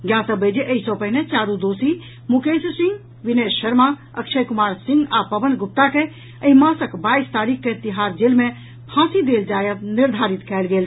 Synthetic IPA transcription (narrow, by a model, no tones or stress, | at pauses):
ɡjaːsəbəːd͡ʒeʔəisɔpɐɦɪnet͡ʃaːɾud̪oːsi | mʊkeːssɪ̃ŋɡ | ʋɪneːsʃɐɾma | ɐkʃəjkʊmaːɾsɪ̃ŋɡaːpɐʋənd̪̚ɡʊp̚t̪ake | əĩmãːsəkbaːist̪aːɾiːkket̪ɪɦaːsd͡ʒeːlmẽ | pʰãːsid̪eːld͡ʒaːjət̪nɪɾd̪ʱaːɾɪt̪kɛːlɡeːl